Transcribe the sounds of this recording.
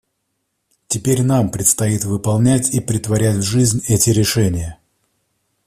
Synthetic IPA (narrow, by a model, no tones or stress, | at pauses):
tʲɪpʲeɾʲnampɾʲɪt̪st̪ɐit̪vɨpɐlˠnʲætʲipɾʲɪt̪vɐɾʲætʲvʐɨzʲnʲɛtʲɪɾʲɪʂɛnʲɪjə